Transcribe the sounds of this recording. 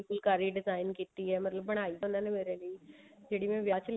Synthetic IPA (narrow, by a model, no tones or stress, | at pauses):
lkulkaɾiːɖɪd͡zajnkit̪iːɦɛmət̪ləb̚pəɳaisənanemeɾaliː | d͡ʒeɽiːmɛ̃ʋjat͡ɕl